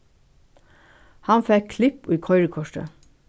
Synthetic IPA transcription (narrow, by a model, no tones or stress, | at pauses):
hɑnfɛkʰlɪpiːkʰɔʏɹəkʰɔʃə̰